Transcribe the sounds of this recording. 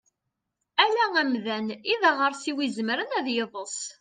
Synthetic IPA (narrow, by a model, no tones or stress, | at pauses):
ælææmðæniðæʁəɾsiwizmɾənæðjeðˤəsˤ